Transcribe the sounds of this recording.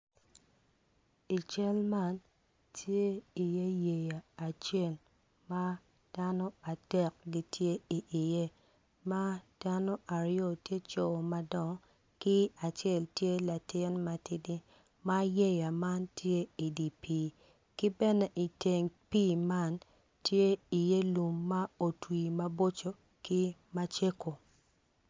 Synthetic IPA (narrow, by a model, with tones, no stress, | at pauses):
i˨t͡ʃɛ˦lma˦˨n | tʰje˦i˨je˦je˨jaː˨t͡ʃe˦˨l | ma˦ | d̥a˦no˦a˨d̥ɛ˦˨k̚ɡi˦tʰje˦i˨ʔi˨je˦ | ma˦d̥a˦no˦ʔa˨ɾɪjo˨tje˦t͡ʃo˨ma˦dɔ˨ŋ | kɪ˦a˨t͡ʃjɛ˦˨ltje˦la˨tɪ˦nma˨tɪ˦dɪ˦ | ma˦je˦ja˨ma˦ntje˦i˨di˨pi˦ | kɪ˦bɛ˦nɛ˦ʔi˨te˨ŋpi˦ma˦n | tje˦i˨je˦lu˨mːa˦o˨twi˨ma˦bo˦t͡ʃo˦ | kɪ˦ma˦t͡ʃe˦ko˨